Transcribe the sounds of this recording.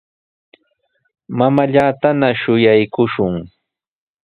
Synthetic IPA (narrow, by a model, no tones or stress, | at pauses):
mamaʎaːt̪anaʃʊjajkʊʃʊŋ